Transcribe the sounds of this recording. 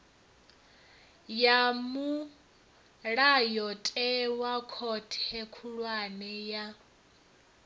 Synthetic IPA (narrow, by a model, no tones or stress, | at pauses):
jamu | ɺajɔtʼɛwakʰɔtʰɛkʰuɺwanɛja